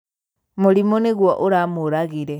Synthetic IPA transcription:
mulimoneɣwɔʔoɾamuɾaɣiɾe

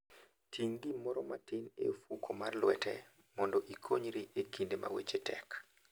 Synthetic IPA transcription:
tʰiŋɡimɔɾɔmatɪnḛfukʰomarlwɛtʰɛ | mɔndɔʔikʰoɲɾiʔekindemʔa̰wet͡ʃetʰɛk

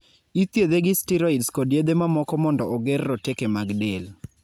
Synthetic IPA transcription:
it̪jed̪eɡɪstiɾɔidskɔdjed̪emamɔkɔmɔndɔʔɔɡɪrːɔtekemaɡdel

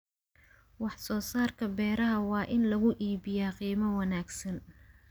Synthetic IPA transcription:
wɑħsɔːsaːrkʰɐbɛːɾɐɦɐwɑːʔɪnlɐɣʊʔiːbɪjaqiːmɐwɑnaːɡsɐn

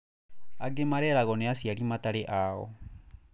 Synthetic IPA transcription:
a̰ɡemaɾɛɾaɣɔneasialimataɾeʔaɣɔ̰

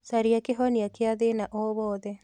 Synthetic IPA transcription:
saɾiakeɦɔniakeaðenaʔɔβɔðɛ

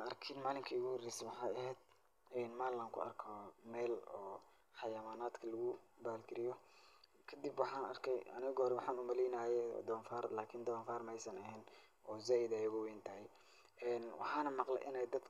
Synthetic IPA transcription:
ɐrkʰɪnmaːlɪŋkʰɐʊɣʊhɔrɛsɛwɑħɑːjɐɦɛːd̪̚ | ɛːnmaːlːaːŋkʰʊ̰ʔɐ̰rkʰɔːmɛːlɔː | ħɑjɐmaːnaːd̪kʰɐlɐɣʊbaːlɡʰɪɾɪjɔ | kʰɐd̪ɪbwɑħɑːnɐ̰rkʰɛjɐ̰nɐɣɔːɾwɑħɑːnʊmɐlɛjnaːjɛɔ̰ːd̪ɐnfaːrlaːkʰɪnd̪ɐwanfaːrmɛjsɐnɐɦɛːn | ʔɔːzaʔɪd̪ɐjɐɣɔwɛjnt̪ʰɐɦɛj | ɛːnwʔɑ̰ħɑːnɐmɑqlɛ̰jʔɪ̰nɛjd̪ɐd̪

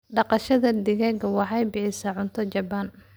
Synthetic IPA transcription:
ɖɑqɑʃɐðɐd̪ɪɣɛɡɐwɑħɑjbɪħɪsaʕʊnt̪ʰɔt͡ʃɐban

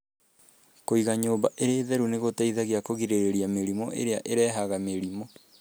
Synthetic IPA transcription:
koiɣaɲoːmbaʔeɾeːðɛɾuneɣotɛiðaɣeakoɣiɾeɾeɾiameɾimɔʔḛɾeaʔeɾɛːɦaɣameɾimɔ

